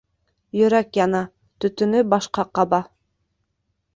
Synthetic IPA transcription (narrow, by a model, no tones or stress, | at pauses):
jɵ̆ɾækjɑnɑ | t̪ɵ̆t̪ɵ̆nɵbɑʃqɑqɑbɑ